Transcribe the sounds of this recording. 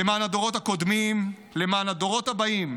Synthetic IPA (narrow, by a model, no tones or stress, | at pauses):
emaːnad̪o̞ʁo̞thako̞d̪mim | le̞maːnɦad̪o̞ʁo̞t̪habaim